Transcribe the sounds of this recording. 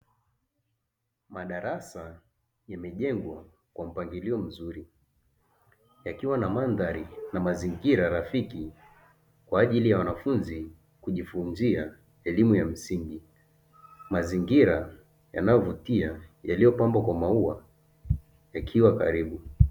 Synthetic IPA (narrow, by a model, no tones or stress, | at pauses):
maɗaɾasa | jamɛʄɛŋɡwa | kwam̩paŋɡiliɔm̩zuɾi | jakiwanamanðaɾinamaziŋɡiɾaɾafiki | kwaːʄilijawanafunzi | kuʄifunzia | ɛlimujam̩siŋɡi | maziŋɡiɾa | ja̰najɔvutiajalijɔpambwakwamaua | jakʰiwaka̰ɾiɓu